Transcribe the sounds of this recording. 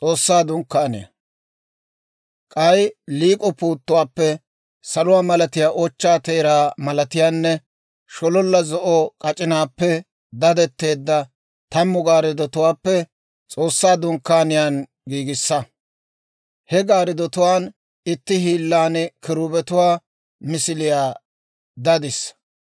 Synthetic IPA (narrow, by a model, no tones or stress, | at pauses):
t͡sʼo̞ːsːaːd̪ʊŋkːaːnɪ̰jɐ̰ | kʼɐjliːkʼɔpuːt̪ːʊwaːpːɛ | sɐlʊwaːmɐlɐt̪ɪjaːʔɔt͡ʃːaːt̪eːɾaːmɐlɐt̪ɪjaːnːɛ | ʃɔlɔlːɐzɔʔɔkʼɐt͡ʃʼɪnaːpːɛ | d̪ɐd̪ɛt̪ːe̞ːd̪ːɐ | t̪ɐmːʊɡaːɾɪd̪ɔt̪ʊwaːpːɛ | t͡sʼo̞ːsːaːd̪ʊŋkːaːnɪjan | ɡiːɡɪsːɐ | hɛɡaːɾɪd̪ɔt̪ʊwaːn | ɪt̪ːɪhiːlːaːnɪkɪɾʊːbɛt̪ʊwaː | mɪsɪlɪjaː | d̪ɐd̪ɪs